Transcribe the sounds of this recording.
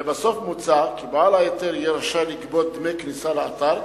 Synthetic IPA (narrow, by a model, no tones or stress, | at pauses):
basofmut͡sakibalajet̪eɾijɛɾaʃaliɡbot̪̚d̪mejknisaleat̪aɾ